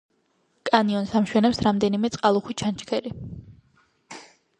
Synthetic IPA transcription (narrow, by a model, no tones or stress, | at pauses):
kʼaniɔnsamʃwɛnɛpsɾamd̪ɛnimɛt̪sʼqʼalˠuχwit͡ʃʰant͡ʃʰkʰɛli